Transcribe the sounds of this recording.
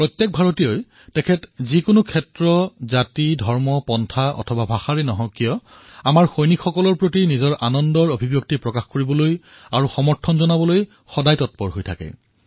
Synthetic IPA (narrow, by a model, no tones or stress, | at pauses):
pɹɔtjɛk̚bʱaɹotijoj | tɛkʰɛtzikʊnʊkʰɛtɹɔzatidʱɔɹmɔpɔntʰaɔ̰tʰɔbabʱaxaɹenɔɦɔkijɔ | amaɹxojnikʰxɔkɔlɔɹpɹotinizɔɹʔanɔndɔɹobʱibjok̚tipɹɔkaxkoɹibɔloj | aɹuxɔmɔɹtʰɔnzɔnabɔloj | xɔdajtɔt̚pɔɹɦojtʰa̰kɛ̰